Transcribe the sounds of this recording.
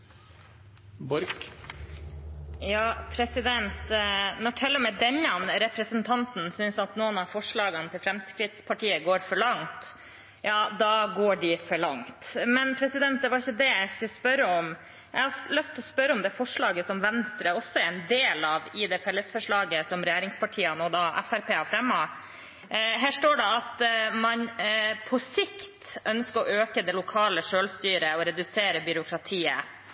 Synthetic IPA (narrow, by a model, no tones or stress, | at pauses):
bɔɾk | jɑːpʰɾɛsɪd̪ɛnt̪nɔʈʰɛlːəmɛd̪ɛɲːɑnɾɛpɾəsənt̪ʰɑnt̪n̩sʏnsɑt̪nuːənɑfɔʂɭɑːɡənət̪ʰɪlfɾɛmskɾɪt̪spʰɑʈiːəɡoːɾfɔɭɑŋt̪ | jɑːd̪ɑɡoːɖɪfɔɭɑŋt̪mɛnpʰɾɛsɪd̪ɛnt̪̚d̪ɛʋɑɾɪçːəd̪ɛæɪskʉlːəspœɾəɔm | jæɪhɑlœst̪ʰɔspœɾːəɔmd̪ɛfɔʂɭɑːɡəsɔmʋɛnst̪ɾəɔsːɔɛɾɛnd̪eːlɑʋɪd̪ɛfɛlːəsfɔʂɭɑːɡəsɔmɾɛjæːɾɪŋspʰɑʈʰiːənod̪ɑʔæ̰fæɾpʰeːɑfɾɛmːɑ | ɦæːʂʈoːɖɛɑt̪mɑnpʰɔsɪkt̪ʔœnskəɾɔʔøːkəd̪ɛlʊkʰɑːləʂøːlst̪yːɾəɔɾɛd̪ʉseːɾəbʏɾʊkʰɾɑt̪ʰiːə̰